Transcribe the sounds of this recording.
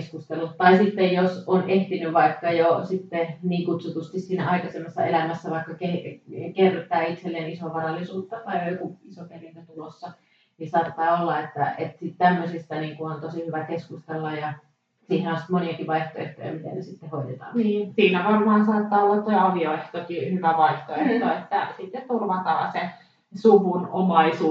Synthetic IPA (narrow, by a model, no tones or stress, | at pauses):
skust̪elut̪tɑisit̪ːejjosonʔeht̪inyʋʋɑikːɑjosit̪ːeniːkut̪sut̪ust̪issiːnæ̰ɑikɑsemːɑsːɑ̰elæmæsːæʋɑikːɑkekerːt̪ːˑæːit̪selːeːnisoʋɑrɑlːˑisuːt̪ːɑt̪ɑijojokuisoperint̪æt̪ulosːɑ | nisɑːt̪ːɑːolːɑet̪ːæ̰ʔet̪sit̪t̪æmːøsist̪æniːŋkuont̪osihyʋækeskust̪elːɑjjɑ | siːhenonsi̥t̪moniɑkiʋɑiht̪o̰ḛht̪ːojɑ̰mit̪ḛnnesit̪ːehoit̪et̪ɑ̰ːniːsiːnæʋɑrmɑːnsɑːt̪ːɑːolːɑt̪noiɑʋioeht̪okihyʋæʋɑiht̪oeh̪oet̪ːæ̰sit̪ːett̪urʋɑt̪ɑ̰ːse | suʋunomɑisuː